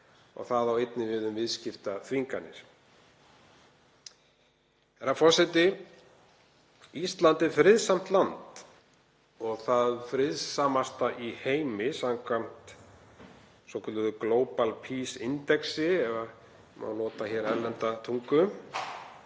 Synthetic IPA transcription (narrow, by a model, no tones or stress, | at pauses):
ɔ̰ɣθaðawejt̪nɪvɪðʏmvɪðscɪft̪aθviŋkanɪ̰ɾ̥ | ɛɾafɔr̥sɛt̪ɪ | ist̪lant̪ɛɾfɾɪðsam̥t̪lant̪ | ɔɣθaðfɾɪðsamast̪aʔiheːjmɪsamkʰvam̥t̪ | sɔkʰʏt̪ʏðʏkloːwpalpʰisɪnt̪ɛksɪɛva | ma̰wlɔːt̪açɛɾɛɾlɛnt̪at̪ʰuŋkʏ